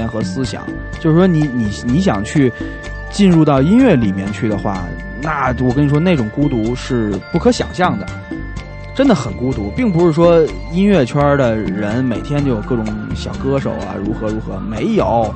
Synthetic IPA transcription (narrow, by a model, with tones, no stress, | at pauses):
ɛ˧˥nxɤ˧˥sɹ̩˥ɕjɑ̰˨˩˦ŋ | t͡ɕjo˥˧ʊʂɻʂwɔ˥ni˧˥ni˨˩ni˧˥ɕ̬jɑ̰˨˩ŋt͡ɕʰy˥˩ | t͡ɕi˥˧nɻu˥˧t̪ɑ˥˩ʊi˥nɥɛ˥˩li˨˩mjɛ˥˧nt͡ɕʰy˥˩d̪ə˩xwa̰˥˩ | na˥˩wɔ˨˩kə˥ni˨˩ʂwɔ˥ne˥˩ɪʈ͡ʂʊ˨˩ŋku˥t̪u˧˥ʂɻ̩˥˩pu˥˩kʰɤ˧˥ɕjɑ̰˨˩ŋɕjɑ˥˩ŋd̪ə˩ | ʈ͡ʂə˥nd̪ə˨xə˨˩nku˥t̪u˧˥pi˥˩ŋp̬u˧˥ʂɻ̩˥˩ʂwɔ˥ | i˥nɥɛ˥˩t͡ɕʰɐ˞˥d̪ə˨ɻə˧˥nme˨˩ɪt̪ʰjɛ˥nt͡ɕjo˥˩ʊjkɤ˥˩ʈ͡ʂʊ˧˥˦ŋɕjɑ˨˩ʊkɤ˥ʂo̰˨˩ʊɐ̰˧ɻu˧˥xɤ˧˥ɻu˧˥xɤ˧˥me˧˥ɪjo˨˩˦ʊ